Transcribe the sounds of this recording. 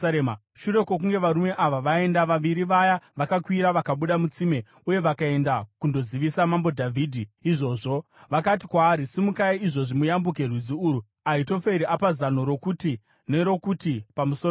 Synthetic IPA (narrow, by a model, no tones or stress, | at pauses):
e | ʃuɾe̞kok̬uŋɡe̞ʋaɾume̞ʔaʋaʋae̞ndaʋaʋiɾiʋajaʋakakwiɾaʋakaɓuɗamut͡sime̞ | uje̞ʋakae̞ndakundo̞ziʋisamambo̞dʱavʱiːdʱiiʐo̞ːʐo̞ | ʋakat̬i̥kwaːɾisimukaiiʐo̞ʐimujambuk̬e̞rwid͡ziuɾu | aito̞fe̞ɾiʔapazano̞ɾo̞kuti | ne̞ɾo̞kutipamuso